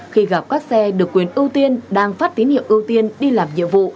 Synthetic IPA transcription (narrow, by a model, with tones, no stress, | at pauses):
xi˧ɣa˨˩p̚kaː˦˥k̚sɛ˧ɗɨ˨˩əkːwi˨˩ənʔɨ˧əwt̪i˧ənɗaː˧ŋfaː˦˥t̚t̪i˨˦nhḭ˧˨əwʔɨ˧əwt̪i˧ənɗi˧laː˨˩mɲḭ˧˨vṵ˧˨